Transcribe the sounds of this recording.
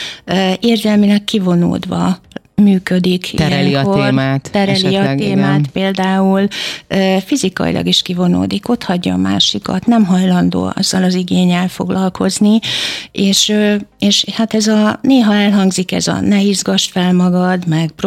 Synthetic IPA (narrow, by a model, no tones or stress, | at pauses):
øeːrzɛlmilɛkːivo̞no̰ːd̪ʋɒ | myːkød̪ikʰiɛlŋkorat̪t̪ɛɾɛliɒt̪eːmaːt̪peːld̪aːuløːfizikɒ̰ḭlʔɒ̰ɡiʃkivo̞no̰ːd̪iko̞t̪hɒɟːɒ̰ːma̰ːʃikɒ̰t̪nɛmɦɒjlɒnd̪o̰ːɒ̰zːɒlɒziɡeːɲːɛlfo̞̰ɡlʔɒlkʰo̞znieːʃøeːʃhat̪ɛzɒneːɦɒɛlɦɒŋɡzikɛ̰zɒ̰nɛiːzɡɒʃfɛlmɒɡɒd̪mɛɡpr